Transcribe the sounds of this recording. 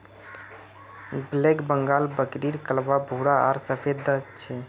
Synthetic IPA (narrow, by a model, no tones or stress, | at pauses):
blekbəŋɡalbəkɾiɾkəlbabʱuɽaa̰ɾsəpʰed̪ət͡ʃʰɛ